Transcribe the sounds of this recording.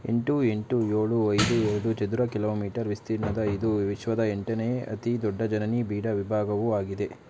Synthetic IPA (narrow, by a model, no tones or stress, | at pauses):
ḛɳʈue̞ɳʈujoːɭuɐjd̪uɛɾɐɽut͡ʃɐd̪uɾɐkiloːmiːʈɐɾʋist̪iɾnɐd̪ɐid̪uʋiʃʋɐd̪ɐeɳʈɐneːɐ̰t̪id̪ɔɖːɐd͡ʒɐnɐnibiːɽɐʋibʱaːɡɐʋuaːɡid̪e̞